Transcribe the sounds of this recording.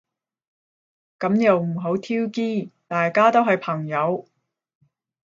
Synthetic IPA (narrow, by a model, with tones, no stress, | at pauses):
kɐ˨˥mjɐ˨wm̩˨˩ɦo˨˥wt̪ʰiː˥wkiː˥˩t̪aː˨jkaː˥t̪o˥wɦɐ˨jpʰɐ˨˩ŋjɐ˨˧˥w